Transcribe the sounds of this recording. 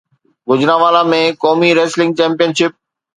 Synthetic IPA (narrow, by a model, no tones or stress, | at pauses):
ɡʊd͡ʑɾãːʋaːlamẽkɔːmiɾeːslɪ̃ŋɡ̚t͡ɕɛ̃ːmpijənʃɪp̚